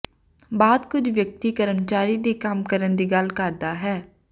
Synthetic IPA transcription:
baːd̪kʊt͡ʃʰʋjək̚t̪ikəɾəmt͡ʃaːɾid̪ekaːmkəɾənd̪iɡaːlkaːɾd̪aɦɛː

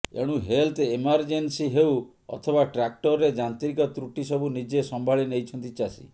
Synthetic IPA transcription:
ḛɽ̃ũɦelt̪emaɾd͡ʒensiɦew | ɔ̰t̪ʰɔbaʈɾak̚ʈɔɾɾed͡ʒant̪ɾikɔt̪ɾuʈisɔbʱunid͡ʒesɔmbʱaɭinejt͡ʃʰɔnt̪it͡ʃasḭ

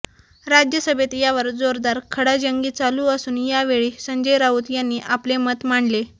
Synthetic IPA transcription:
ɾad͡ʑjəsəbʱet̪jaʋəɾd͡zoɾd̪aɾkʰəɽad͡ʑəŋɡiːt͡saluːəsuːnjaʋeɭiːsəɲd͡ʑəjɾauːt̪janːiːʔaplemət̪maɳle

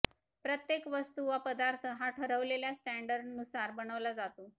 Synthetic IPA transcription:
pɾət̪jekʋəst̪uʋapəd̪aɾt̪ʰəɦaʈʰəɾəʋleljasʈæɳɖəɾɖnusaɾbəɳ̃əʋlad͡zat̪uː

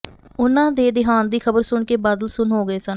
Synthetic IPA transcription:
ʊnãːd̪eːd̪ɪɦaːnd̪iːkʰəbəɾsʊɳkeːbəd̪əlsʊnɦoːɡəeːsən

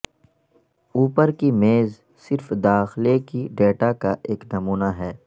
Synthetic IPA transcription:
uːpəɾkimeːz | sɪɾfd̪aːxlekiɖeːʈakaʔeːknɐmuːnaɦɛː

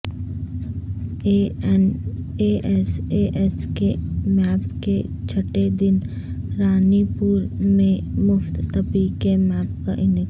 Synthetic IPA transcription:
eʔɛseʔɛskemɛːpke | t͡ʃʰɐʈed̪ɪn | ɾaːnipuːɾmẽmʊft̪ːɐpikemɛːp̚ka̰ʔɪnɪk

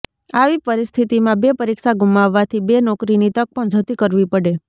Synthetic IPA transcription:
aʋipəɾɪst̪ʰit̪imãbepəɾikʃaɡumaʋːat̪ʰibenɔkɾinit̪ək̚pəɳd͡ʒʱət̪ikəɾʋipəɽe

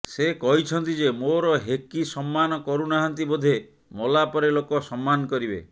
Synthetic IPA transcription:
sekɔɦit͡ʃʰɔnt̪id͡ʒemoɾɔɦekisɔmːanɔkɔɾunaɦant̪̬ibod̪ʱe | mɔlapɔɾelokɔsɔmːanɔkɔɾibe

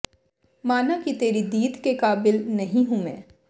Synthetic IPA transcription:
maːnakit̪eːɾid̪iːd̪kekaːbɪlnɐɦĩɦũmɛ̃ː

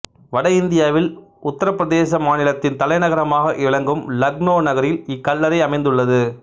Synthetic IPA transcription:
ʋɐɽɐɪnd̪ɪjaːʋɪlʊt̪ːɐɾɐpːɾɐðeːsɐmaːnɪlɐt̪ːɪnt̪ɐlɐɪnɐɣɐɾɐmaːɣɐʔɪɭɐŋɡɯmlɐɡnoːnɐɣɐɾjɪlɪkːɐlːɐɾɐɪɐmɐɪnd̪ɯɭːɐðɯ

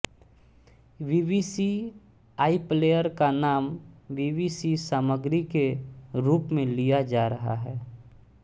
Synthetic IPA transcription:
ʋiːʋisi | aːipleːjəɾkanaːmʋiːʋiːsisaːməɡɾikeɾuːpmẽlijad͡ʒaːɾəɦa̰ɦɛː

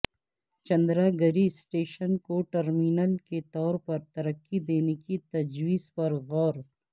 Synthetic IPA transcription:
t͡ʃɐ̃nd̪ɾaːɡəɾisʈeːʃənkoʈɐɾmiːnəlket̪ɔːɾpɐɾt̪ɐɾɐkːid̪eːnekit̪ɐd͡ʒwiːzpɐɾɣɔːɾ

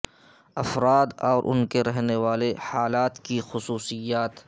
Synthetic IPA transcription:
ɐfɾaːd̪ɔːɾʔʊ̰nkeɾɛɦneʋaːlehaːlaːt̪kixʊsuːsɪjaːt̪

